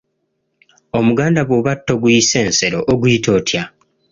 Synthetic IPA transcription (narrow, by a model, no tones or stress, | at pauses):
omuɡaːndaβwoβatːo̞ɡujise̞ːnse̞ɾo̞ʔːɡuitʰo̞ːtʰja